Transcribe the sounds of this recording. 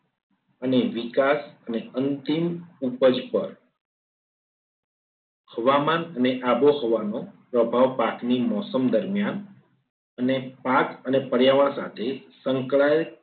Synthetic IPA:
əneʋikasəneənt̪imupəd͡ʒpəɾ | həʋamanəneʔaboɦoʋanopɾəbʱaʋpaknimɔsəmd̪əɾmjan | ənepakənepəɽjaʋaɾsa̰t̪ʰesəŋkɭaj

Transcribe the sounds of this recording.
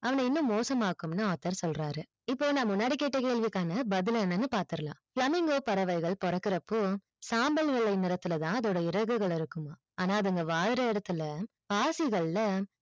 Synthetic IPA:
ʔɐʋɐnɐɪnːɯ̃mːoːsɐmaːkɯmnɯaːt̪ːɐɾsɔlɾaːɾɯ | ɪpːoːnãːmʊnːaːɽikeːʈːɐkeːɭʋɪkːaːnɐbɐðɪlɛːnːɐnːɯpaːɾt̪ɯɾɐlã̰ːfɭɐmɪŋɡoːpɐɾɐʋɐɪɣɐɭpɔɾɐkːɪɾɐpːo | saːmbɐlʋɪɭːɐɪnɪɾɐt̪ːɯlɐt̪ãːɐðoːɽɐɪɾɐɣɯɣɐɭɪɾɯkːɯmaː | aːnaːɐðɯŋɡɐʋaːɻɾɐɪɽɐt̪ːɯlɐ | paːsɪɣɐɭlɐ

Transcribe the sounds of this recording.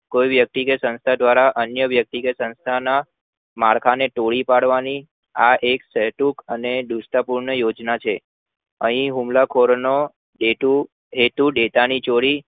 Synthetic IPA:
kojʋjək̚t̪ikesə̃nst̪ʰad̪ʋaɾaʔənjəʋjək̚t̪ikesə̃nst̪ʰana | maɭkʰaneʈoɭipaɽʋani | aʔekseʈukəned̪usʈ̪apuɾɳəjod͡ʒnat͡ʃʰe | əɦĩɦũmlakʰoɾno | ɖeʈu | ɦet̪uɖet̪anit͡ʃoɽi

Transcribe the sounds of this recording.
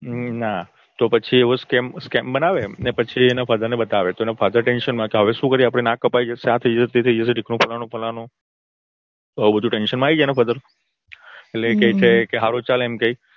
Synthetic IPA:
na | t̪opət͡ʃʰieɦoskɛmskɛmbənaʋenepət͡ʃʰienafad̪əɾnebət̪aʋet̪oenafad̪əɾʈenʃənmãkeɦəʋeʃũkəɾiapəɽ̃enãkəpajd͡ʒesãt̪ʰəid͡ʒesʰet̪et̪ʰəid͡ʒesʰeɖikʰnõpʰəlanõpʰəlanõ | t̪ubəd̪ʱũʈenʃənmãaid͡ʒanafʰəd̪əɾ | elekejt͡ʃʰekeɦaɾot͡ʃalɛmkəi

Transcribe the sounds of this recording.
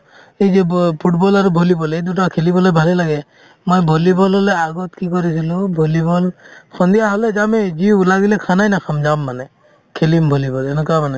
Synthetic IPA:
ejzɛpʰuʈbɔlaɾubʱolibɔled̪uʈ̬akʰelibɔlɔbʱalɛlaɡɛ | mojbʱolibɔlɦɔleaɡɔt̪kikɔɾisilubʱolibɔlkʰɔnd̪ijaɦɔlezamezilaɡilekʰanajnakʰamd͡ʒamːanɛ | kʰelimbʱolibɔlɛnɛkamanɛ

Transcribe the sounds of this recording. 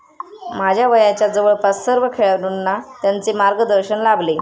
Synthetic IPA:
m̤ad͡ʑʱjaʋəjat͡ɕjad͡zəʋəɭpassəɾʋəkʰeɭaɽunːat̪jant͡semaɾɡəd̪əɾɕənlable

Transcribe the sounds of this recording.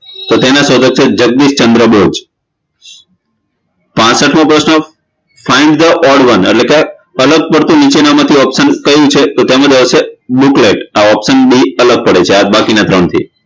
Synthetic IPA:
t̪ot̪enãsɔd̪ək̚t͡ʃʰed͡ʒəɡ̚d̪ist͡ʃənd̪ɾəbod͡ʒ | pãt͡ʃsəʈʰmõpɾəsnɔ | faiɳɖd̪əʔɔɽʋənḛʈlekak | ələɡ̚pəɽt̪ũnit͡ʃenamãt̪ʰiɔpsənkəjũt͡ʃʰet̪ot̪emãd͡ʒəʋəsebukleʈaɔpsənbiələɡ̚pəɽet͡ʃʰead̪̚bakinat̪ɾəɳt̪ʰḭ

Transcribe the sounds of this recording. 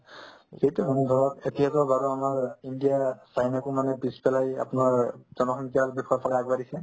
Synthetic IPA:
sejtɛɔnɔɡʱɔɹɔtetijatɔbaɹuamaɹindijasajnakumanɛpispɛlaja̰pnaɹz̥ɔnɔxɔŋkiaɹbɛkʰɔpʰakaaɡbadisɛ

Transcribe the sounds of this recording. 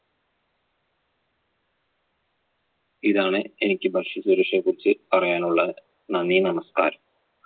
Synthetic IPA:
iðaːɳɨenikʲːɨbʱɐʂɐsuɾɐʂɐkːurit͡ɕːɨpɐrɐjaːnuɭːɐ | nɐnːinɐmɐska̰ːɾɐm

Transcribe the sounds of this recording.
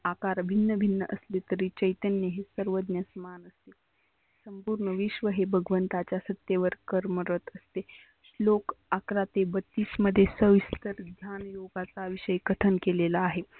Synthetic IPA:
akaɾbʱinːəbʱinːəʔəslet̪əɾit͡ɕəjt̪ənjəɦesəɾʋəd̪njəsəmanəst̪e | səmpuːɾɳəʋiʃʋəɦebʱəɡʋənt̪at͡ɕjasət̪jeʋəɾkəɾməɾət̪əst̪e | slokakɾat̪ebət̪ːisməd̪ʱːjesəʋist̪əɾɡ̪ʱjanjoɡat͡saʋiʃəjkəʈʰənkelelaːɦe

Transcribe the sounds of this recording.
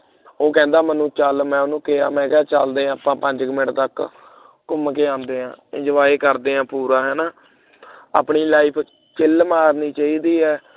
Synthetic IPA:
oːkɛ̃ːnd̪aːmənũːt͡ʃəlmɛ̃ːʊnũːkea̰ːmɛ̃ːkaːt͡ʃəld̪eːãːaːpãːpəɲd͡ʒkəmɪ̃ʈt̪ək | kʊmkeːãːnd̪eːɦãːɪd͡ʒəʋaːeːkəɾd̪eːãːpuːɾaːɦɛːnaː | a̰ːpɳiːlaːipʰ | t͡ʃɪlmaːɾniːt͡ʃaːiːd̪iːɦɛː

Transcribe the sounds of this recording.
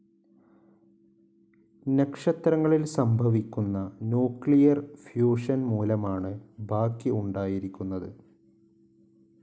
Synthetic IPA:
nekʂɐt̪ɾɐŋːɐɭilsɐmbʱɐʋikʲːunːɐnuːkːɭijɐrfjuːʂɐnmuːlɐmaːɳɨbʱaːkːiuɳɖaːjiɾikʲːunːɐðɨ

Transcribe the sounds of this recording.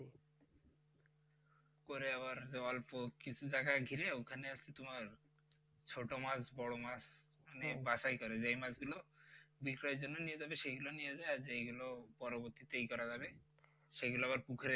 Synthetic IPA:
koɾeabaɾd͡ʒeɔlpɔkit͡ʃʰud͡ʒaɡaɡʱiɾeukʰaneast̪it̪umaɾ | t͡ʃʰoʈomasbɔɭɔmas | manebasajkɔɾed͡ʒeimasɡulobikɾɔjd͡ʒɔnːɔnijed͡ʒabeʃeɡulonijed͡ʒajad͡ʒejɡulɔpɔɾɔbɔɾt̪it̪eikɔɾad͡ʒabe | ʃeɡulɔabaɾpukʰɾe

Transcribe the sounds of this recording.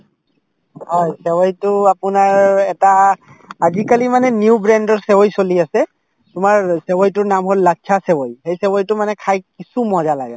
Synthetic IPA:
hɔjsɛwɔjtʊapʊnaɹɛtaː | zikalimanɛniuubɹɛndɔɹsɛwɔjsoliasɛ | tumaɹsɛwɔjtʊɹnamɦolːaasɛwɔjhejsɛwɔjtʊmanɛkʰajkisumɔzalaɡɛ̰

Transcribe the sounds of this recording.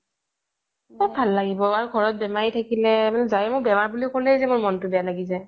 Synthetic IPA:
mabʱalːaɡibɔaɹuɡʱɔɹɔt̚bɛmaɹitʰakilɛmanɛzajmʊkbɛmaɹbulikolɛzɛmʊɹmɔntʊbɛjalaɡizaj

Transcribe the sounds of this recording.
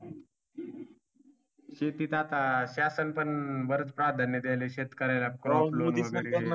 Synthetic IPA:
ɕet̪iːt̪at̪aɕasənpəɳʋəɾət͡spɾad̪ʱanːəd̪ajleɕet̪kəɾajlakɾɔloudniaɾi

